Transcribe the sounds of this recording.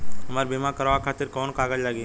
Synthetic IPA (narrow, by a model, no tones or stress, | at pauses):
ɦɐmaːɾbimakɐɾʋakʰaːt̪ɪɾkɔːnkaːɡəd͡ʒlaːɡi